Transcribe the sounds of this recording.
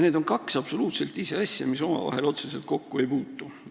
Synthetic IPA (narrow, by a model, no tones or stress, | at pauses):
ned̪o̞nkɑksɑb̥so̞luːt̪se̞lt̪ˑise̞ɑsʲjɑ̰miso̞mɑ̰vɑ̰ɦe̞lo̞t̪sese̞lt̪̚ko̞kːue̞jpuːt̪ːˑu